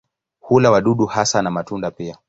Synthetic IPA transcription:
hulawaɗuɗuhasanamatundapia

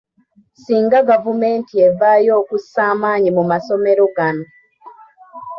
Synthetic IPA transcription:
siːŋɡaɡavumeːntievajoːkusaːmaːɲimumasomeɾoɡano

